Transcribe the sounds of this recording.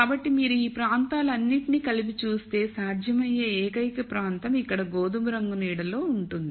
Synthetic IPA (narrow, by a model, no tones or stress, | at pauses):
kkaːbɐʈːimiːɾuiːpɾaːnt̪aːluɐnːiʈiniːkɐlip̬it͡ʃuːst̪e̞ːsaːd͡ʒ̪ʱjɐmɐjeːɛːkɐjkɐpɾaːnt̪ɐmikːɐɽɐɡoːd̪umuɾɐŋɡuniːɽɐlo̞ːuɳʈund̪i